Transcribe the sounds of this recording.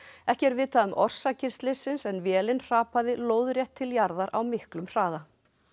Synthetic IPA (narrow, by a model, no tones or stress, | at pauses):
ɛhcɛɾvɪːðt̪aðʏmʔɔr̥sacɪst̪lɪsɪnsɛnvjɛːlɪnr̥aːpaðɪloːwðɾjɛht̪ʰːɪljaɾðaɾa̰wmɪhklʏmr̥aːða